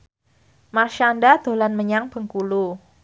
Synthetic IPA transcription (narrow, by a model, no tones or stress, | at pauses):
maʃandad̪̥o̤lanməɲaŋb̥ə̤ŋkulu